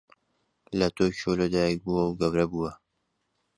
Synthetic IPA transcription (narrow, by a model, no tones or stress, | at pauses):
lɐt̪oːjʃoːlɐd̪aːjbuwɐwɡɐwɾɐbuːwɐ